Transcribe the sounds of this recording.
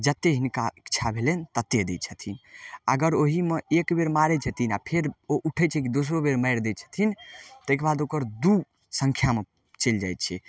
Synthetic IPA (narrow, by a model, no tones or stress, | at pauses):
d͡ʒət̪ːeɦinkaikːt͡ʃʰabʱelent̪ət̪ːed̪et͡ʃʰət̪ʰinəɡəɾoɦimẽekbeɾmaɾɛt͡ʃʰət̪inapʰeɾoʔuʈʰɛt͡ʃʰɛkid̪os̬ɾobeɾməjɾd̪et͡ʃʰə̥t̪ʰint̪ekebad̪okəɾd̪u | səŋkʰjame | t͡ʃeld͡ʒa̰jt̪t͡ʃʰɛ